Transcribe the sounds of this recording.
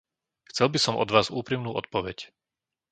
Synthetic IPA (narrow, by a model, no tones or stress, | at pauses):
xt͡sɛlbisɔmʔɔ̰d̪ʋaːzṵːpɾimnuːʔɔt̪̚pɔʋɛc